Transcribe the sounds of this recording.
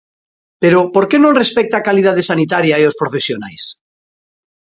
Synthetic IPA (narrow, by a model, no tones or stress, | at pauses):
peɾopoɾkenõnrespɛk̚t̪aːkalið̞aðesanit̪aɾjaeospɾofesjona̰js